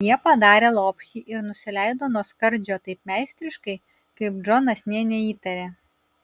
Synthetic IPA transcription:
jiɛpɐd̪ɑːɾʲeːlˠoːpʲʃʲiːʔɪɾnʊsʲɪlʲɛɪd̪oːnuɔskɐɾʲd͡ʒʲoːt̪ɐɪp̚mʲæɪsʲt̪ʲɾʲɪʃkɐɪ | kɐɪp̚d͡ʒɔnɐsʲnʲeɛnʲɛiːt̪ɐɾʲeː

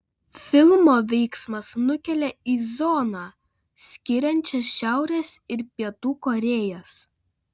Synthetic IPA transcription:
fʲɪlˠmoːʋʲɛɪksmɐsnʊkʲɛlʲeiːzɔnɑ | sʲkʲɪɾʲɛnʲt͡ʃʲɛsʃʲæˑʊɾʲeːsɪɾpʲiɛt̪uːkoːɾʲeːjɛs

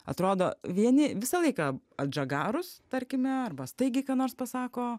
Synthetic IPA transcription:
ɐ̰t̪ɾoːd̪oːʋʲiɛnʲɪʋʲɪsɐlˠɐɪkɑː | ɐt̪d͡ʒɐɡɑːɾʊst̪ɐɾʲkʲɪmʲɛɐrbɐst̪ɐɪɡʲɪkɑːnoːrspɐsɑːkoː

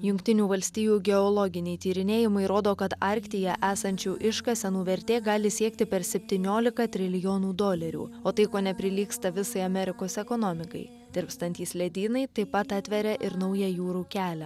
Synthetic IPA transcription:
jʊŋʲkʲt̪ʲɪnʲuːʋɐlʲsʲt̪ʲiːjuːɡʲɛɔlˠɔɡʲɪnʲɛɪt̪ʲiːɾʲɪnʲeːjɪmɐɪɾoːd̪oːkɐt̪ɑˑɾʲkʲt̪ʲɪjɛʔæːsɐnʲt͡ʃʲuːʔɪʃkɐsʲɛnuːʋʲɛɾʲt̪ʲeːɡɑːlʲɪsʲiɛkt̪ʲɪpʲɛɾsʲɛpʲt̪ʲiːnʲoːlʲɪkɐt̪ʲɾʲɪlʲɪjoːnuːd̪oːlʲɛɾʲṵːoːt̪ɐɪkoːnʲɛpʲɾʲɪlʲiːkst̪ɐʋʲɪsɐɪɐmʲɛɾʲɪkoːsɛkɔnɔmʲɪkɐ̰ɪ | d̪ʲɪɾpst̪ɐnʲt̪ʲiːslʲɛd̪ʲiːnɐɪt̪ɐɪpɐt̪ɑt̪ʲʋʲɛɾʲɛʔɪɾnɐʊjɛjuːɾuːkʲæːlʲɛ

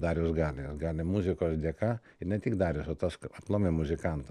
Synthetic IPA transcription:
d̪ɑːɾʲjoːsɡɑːlʲɪosɡɑːlʲɪmuzʲɪkoːsd̪ʲiɛkɑː | ɪɾnʲɛt̪ʲɪɡd̪ɑːɾʲosot̪ɐsɐplˠoːmʲemʊzʲɪkɐnt̪ɐ

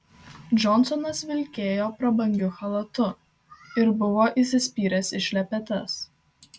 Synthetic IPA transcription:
d͡ʒɔnsɔnɐsʋʲɪlʲkʲeːjoːpɾɐbɐŋʲɡʲʊxɐlˠɐt̪ʊ | ɪɾbʊʋoːʔiˑsʲɪsʲpʲiːɾʲɛsɪʃʲlʲɛpʲɛt̪ʲɛs

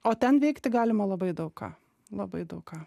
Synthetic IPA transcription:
oːt̪ʲɛnʋʲɛɪkt̪ʲɪɡɑːlʲɪmɐlˠɐbɐɪd̪ɐʊkkɑ̰ː | lˠɐbɐɪd̪ɐʊkɑː

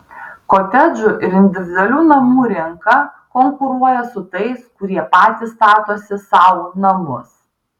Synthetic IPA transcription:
koːt̪ʲɛd͡ʒʲʊʔɪɾɪnʲd̪ʲɪʋʲɪd̪ɐlʲuːnɐmuːɾʲɪŋkɐ | kɔŋkʊɾuɔjɛsʊt̪ɐɪskʊɾʲiɛpɑːt̪ʲɪst̪ɑːt̪oːsʲɪsɑːʋoːnɐmʊs

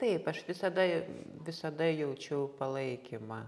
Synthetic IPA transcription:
t̪ɐɪpɐʃʋʲɪsɐd̪ɐʋʲɪsɐd̪ɐjɛʊt͡ʃʲɛʊpɐlˠɐɪkʲɪmɐ

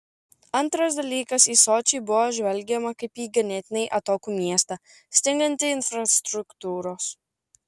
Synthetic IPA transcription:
ɐnˑt̪ɾɐs̬d̪ɐlʲiːkɐsiːsoːt͡ʃʲɛɪbʊʋoːʒʲʋʲɛlʲɡʲɛmɐkɐɪpiːɡɐnʲɛt̪ʲɪnʲɛɪʔɐt̪oːkuːmʲiɛst̪ɐ | sʲt̪ʲɪŋɡɐnʲt̪ʲɪɪnfɾɐst̪ɾʊkt̪uːɾoːs

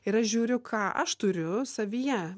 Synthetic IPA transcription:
ɪɾɐʃʒʲuːɾʲʊkʰɑːʔɐ̰ʃt̪ʊɾʲʊsɐʋʲijɛ

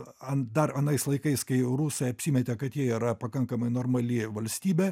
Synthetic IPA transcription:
ɐnd̪ɐrɐnɐɪslˠɐɪkɐɪskɐɪɾuːsɐɐpʲsʲiːmʲɛt̪ʲɛkɐt̪jiɛiːɾɐpɐkɐŋkɐmɐɪnoːrmɐlʲɪʋɐlʲsʲt̪ʲiːbʲɛ

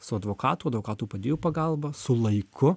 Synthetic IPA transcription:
sʊɐd̪ʋoːkɑːt̪uːɐd̪ʋoːkɑːt̪uːpɐd̪ʲeːjuːpɐɡɐlˠbɐsʊlˠɐɪkʰʊ

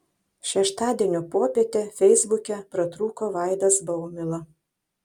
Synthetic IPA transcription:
ʃʲɛʃt̪ɑːd̪ʲiɛnʲoːpoːpʲeɛt̪ʲeːfʲɛɪzbʊkʲɛpɾɐt̪ɾuːkoːʋɑˑɪd̪ɐsbɐʊmʲɪlˠɐ

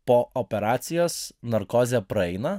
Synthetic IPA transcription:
poːʔopʲɛɾɑːt̪sʲɪjoːsnɐɾkoːzʲɛpɾɐɛɪnɐ

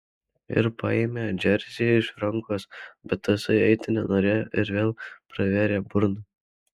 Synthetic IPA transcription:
ɪ̰ɾpɑ̰eːmʲeːd͡ʒʲɛɾʲzʲɪjɛɪʃɾɐŋˑkoːsbʲɛt̪ːɐsɐɪɛɪt̪ʲɪnʲɛnoːɾʲɛɪɾʋʲeːlˠpɾɐʋʲæːɾʲeːbʊɾnɐ

